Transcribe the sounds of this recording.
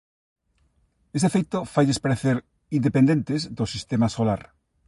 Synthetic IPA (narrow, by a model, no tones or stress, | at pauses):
est̪efejt̪ʊfajðespaɾeθeɾ | ind̪epend̪ẽnt̪ɪzd̪ʊsist̪emasolaɾ